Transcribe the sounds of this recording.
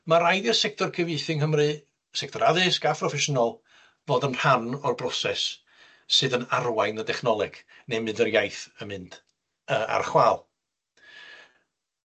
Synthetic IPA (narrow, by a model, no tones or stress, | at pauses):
maɾajdɪrsɛk̚tʰɔrkʰəvɨɨθɪŋɦəmrɨ | sɛk̚tʰɔɾaðɨskapʰrɔfɛʃɔnɔlˠ | voːdənr̥hanɔrbrɔsɛsː | ɨðənarwajnədɛχnɔlˠɛɡ̥ | nemɨndərjajθəmɨnd̥ | əːa̰rχwaːlˠ